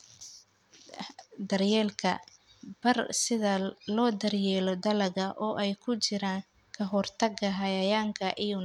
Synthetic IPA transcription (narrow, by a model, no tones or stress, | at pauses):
d̪ɐrjɛːlkʰɐ̰ | b̥ɐrsɪðɐlɔːd̪ɐrjɛːlɔd̪ɐlɐɣɐʔɔːʔɛjkʰʊt͡ʃɪɾaːŋ | kʰɐɦɔrt̪ʰɐɡɐɦɐjɐjaːŋkʰɐʔɪjʊn